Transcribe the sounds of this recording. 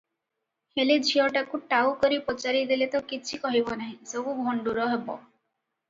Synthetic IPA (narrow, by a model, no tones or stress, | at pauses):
helid͡ʒʱiɔʈakuʈawkɔɾipɔt͡ʃaɾid̪ilet̪ɔkit͡ʃʰikɔɦibɔnaɦĩsebuɡʱɔɳɖuɾɔɦebɔ